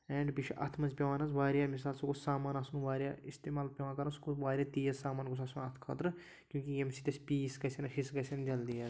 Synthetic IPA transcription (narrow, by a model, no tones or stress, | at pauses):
ɛːɳɖbiʃʰʔɐ̰t̪ʰmɐnzʲpʲɐʋãːnɐzʋaːɾjaːmis̬aːlsɐkusaːmaːnasunʋaːɾjaːist̪eːmaːlpʲɐʋãːkɐɾɐnskuʋaːɾʲijaːt̪iːjɐsaːmaːnɡus̬asunɐt̪ʰkʰaːt̪ɾɨ | kʲjũːkiemsit̪ʲespiːskɐsʲenɐʃisɡɐsʲend͡ʒɐld̪ijaz